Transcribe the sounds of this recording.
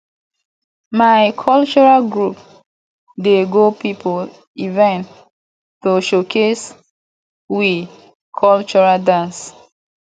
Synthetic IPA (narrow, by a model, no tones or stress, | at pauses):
majkʰɔlt͡ʃɔɹalɡɹup | deɡopipol | ivɛ̃n | toʃokʰes | wi | kʰɔlt͡ʃɔɹadãns